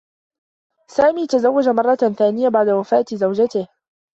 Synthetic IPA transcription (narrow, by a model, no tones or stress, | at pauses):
saːmiːt̪azawːad͡ʒamɑrˤːɑθaːnɪjabaʕd̪awafaːt̪zawd͡ʒat̪ɪh